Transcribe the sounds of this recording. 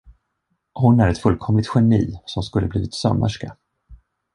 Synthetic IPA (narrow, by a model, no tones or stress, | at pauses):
hʊnæɾɛt̪fɵlkʰɔmːɪt̪ɧɛnḭːsɔmskɵlːəbliːvɪt̪sɔ̰mːə̰ʂka̰